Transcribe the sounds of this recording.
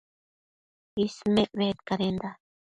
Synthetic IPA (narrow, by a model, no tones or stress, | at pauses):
ismeʔβet̪kaɾend̪a